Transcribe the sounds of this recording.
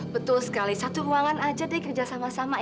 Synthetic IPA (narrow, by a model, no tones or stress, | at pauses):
bət̪ʊlsə̥kalisat̪uɾuaŋanad͡ʒadikərd͡ʒasamasama